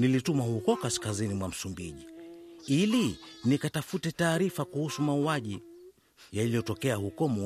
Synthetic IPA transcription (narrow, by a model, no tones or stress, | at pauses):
nilitumahukɔkaskazinimwam̩sumbiʄiilinikatafutɛtaːɾifakuhusumauaʄi | jalijɔtɔkɛahukɔmu